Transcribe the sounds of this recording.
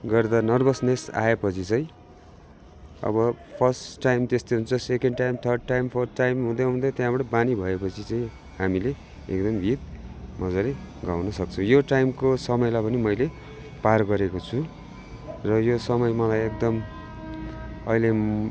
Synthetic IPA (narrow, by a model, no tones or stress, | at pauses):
ɡʌrd̪anʌrbʌsnesa̰epʌt͡sʰit͡sʌj̃ | ʌ̰bʌpʰʌrsʈajmt̪est̪oɦunt͡sʰʌsekeɳɖʈajmt̪ʰʌrɖ̚ʈajmpʰʌrʈajmɦũd̪ʌɦũnd̪ʌt̪jãbʌʈʌbanibʱʌepʌt͡sʰit͡saĩ | hamile | ḛk̚d̪ʌmbʱit̪̚mʌd͡zaleɡawnʌsʌk̚t͡sʰujoʈajmkosʌmʌjlajpʌnimʌjle | parɡʌɾekot͡sʰu | rʌjosʌmʌjmʌlajek̚d̪ʌm | ʌ̰ile